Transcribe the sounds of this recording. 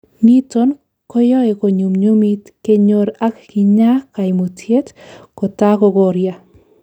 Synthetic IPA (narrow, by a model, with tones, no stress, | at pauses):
ni˦to˦n | kɔ˦jɔ˦e˨ko˨ɲu˨mɲo˦mi˦tke˦ɲo˦ɾa˦kki˨ɲa˦ka˨jmo˨tje˦tko˨ta˦ko˧ɡo˨ɾja˦